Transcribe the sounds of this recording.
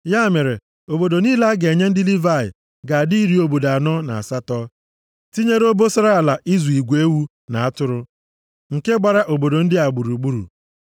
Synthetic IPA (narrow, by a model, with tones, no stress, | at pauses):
ja˦˨me˨ɾe˨ | o˨bo˨do˨niː˦la˦ɡe˨ɲe˦n̩˦dɪ˦li˦va˦˨ɪ̰˨ | ɡa˨di˦i˦ɾi˦o˦bo˨da˨nɔ˦na̰˨a̰˨sa˦tɔ˦ | ti˦ɲe˦ɾo˦bo˦sa˦ɾa˦a˨la˨ʔi˦zu˨i˨ɡʷe˦wu˦ | na˨a˦tʊ˦ɾʊ˦ | ŋ̩˨ke˦ɡ͡ba˨ɾa˦ʔo˨bo˨do˨n̩˦dɪ˦a˨ɡ͡bu˨ɾu˨ɡ͡bu˦ɾṵ˨